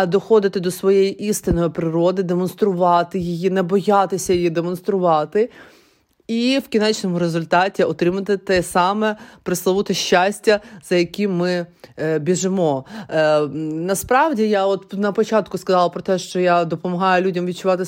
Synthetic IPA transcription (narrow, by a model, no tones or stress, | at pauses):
d̪ɔxɔd̪ɪt̪ɪd̪ɔsʋɔjejiʔist̪ɪnɔjipɾɪɾɔd̪ɪd̪emɔnst̪ɾʊʋɑt̪ɪjijinɛbɔjɑt̪ɪsʲɐjɪjid̪emɔn̪st̪ɾʊʋɑt̪ɪ | iwkʲinɛt͡ʃnɔmʊɾezʊlʲt̪ɑtʲiɔt̪ɾɪmɐt̪ɪt̪ɛsɑmɛpɾɪslˠɐʋʊt̪ɪʃʲːasʲtʲːɐz̥ɐjɐkʲimmɪbʲiʒɪmɔ | nɐspɾɑʋdʲijaɔt̪nɐpɔt͡ʃɑt̪kʊskɐzɑlˠɐpɾɔt̪ɛʃt͡ʃɔjad̪ɔpɔmɐɦɑjʊlʲudʲɐmʋʲid̚t͡ʃʊʋɑt̪ɪ